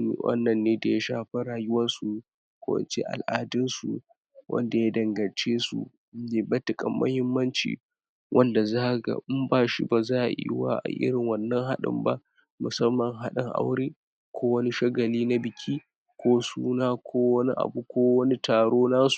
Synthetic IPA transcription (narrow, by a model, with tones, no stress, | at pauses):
mḭ˨wʔɐ̰˦nːɐ˨nːeː˦da˨ja˦ʃaː˦ɸɐ˦ɾaː˨jʊ˦wɐ˦nsu˨ | kʷa̰˦˨wɐ̰˨nt͡ʃḛ˦ʔa̰˨lʔaː˨dɪ˦nsu˨ | wʔɐ̰˦nda˨jaː˦dɐ˨ŋɡɐ˨nt͡ʃeː˦sṵ˦ | je˨bɐ˦tɪ˨kʼɐ˨mːʔɐ̰˦hɪ˦mːɐ˦nt͡ʃḭː˨ | wʔɐ˦nda˨zaː˦˨ɡa̰˨ʔmbaː˦ʃḭ˦ba˨zaː˦ʔa̰˨jḭ˦wa̰ː˦ʔa̰˨ʔɪ̰˦ɽɪ˨ŋwɐ˨nːɐ˦ŋɦa˦ɗɪ̰˦˨mba̰˦ | mʊ˨sɐ˦mːɐ˨ŋɦa˦ɗɪ˨ŋʔa̰˦wɽeː˦ | kʷʰoː˦wɐ˦ni˦ʃɐ˦ɡɐ˨liː˦na˦bɪ˨kʲʰiː˦ | kʷʰoː˦suː˦naː˦kʷʰoː˦wɐ˦ni˦ʔa̰˨bu˦kʷoː˦wɐ˦ni˦taː˨ɽoː˦naː˦su̥˨